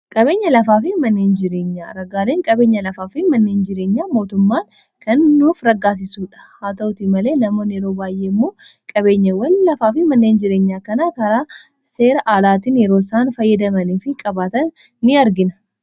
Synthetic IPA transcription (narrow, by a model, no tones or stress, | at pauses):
kʼɐbeːɲːɐlɐfaːfɪmɐnːe̞ːnd͡ʒɪɾe̞ːɲːa̰ːɾɐɡaːleːŋkʼɐbe̞ːɲːɐlɐfaːfɪmɐnːeːnd͡ʒɪɾe̞ːɲːaːmo̞ːt̪ʊmːaːŋ | kɐnːuːfɾɐɡːaːs̬ɪsuːᶑɐ̥haːt̪ɐʔʊt̪ɪmɐle̞ːnɐmo̞ːnjɛɾo̞ːbaːjʔe̞ːɪmːo̞ː | kʼɐβe̞ːɲːɐwɐnlɐfaːfɪmɐnːeːnd͡ʒɪɾe̞ːɲːaːkɐnaːkɐɾaː | se̞ːɾɐʔaːlaːt̪̬injɛɾoːsaːnfɐjːɐd̪ɐmɐnifɪkʼɐbaːt̪ɐnː | ɪɐɾɡɪnɐ̥